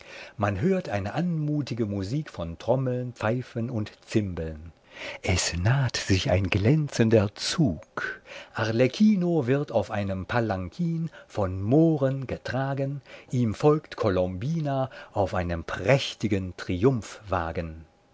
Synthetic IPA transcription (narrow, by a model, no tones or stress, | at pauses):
manɦøːɐtʔaɪnəʔanmuːtɪɡəmuziːkfɔntʁ̥ɔml̩npp͡faɪfənʊntt͡sɪmbəln | ʔɛsnaːtz̥ɪça̰ɪnɡlɛnt͡səndɐt͡suːkʔaʁlɛkʰiːnovɪʁtaʊfʔaɪnəmpʰalaŋkʰiːnfɔnmoːʁənɡətʁ̥aːɡənʔiːmfɔlktkʰɔlɔmbiːnaʔaʊfʔaɪnəmpʁ̥ɛçtɪɡəntʁ̥iʊmfv̥a̰ːɡən